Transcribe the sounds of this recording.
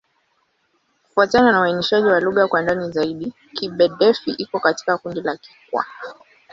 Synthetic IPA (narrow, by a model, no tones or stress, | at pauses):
ku̥fuatananawainiʃaʄiwaluɣakwandanizaiɗi | kiɓɛɗɛfiʔikɔkati̥kakundilaki̥kwa̰